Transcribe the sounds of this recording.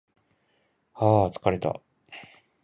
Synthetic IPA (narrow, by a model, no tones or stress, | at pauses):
haːt͡sɨ̥kaɾe̞t̪a̰